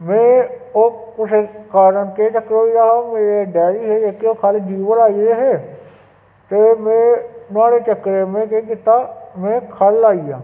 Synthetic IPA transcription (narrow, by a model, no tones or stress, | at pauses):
mẽːoːkʊsekaːɾənket͡ʃəkːɾɦoijaːɦaːmẽːeɖɛːɾiːɦeːd͡ʒeːkeoːkʰaːlid͡ʒiːʋəlaːieɦeː | t̪eːmẽːnʊaːɽeːt͡ʃəkːɾemẽːkeːk̬ɪt̪ːaːmẽːkʰəlaːija̰ː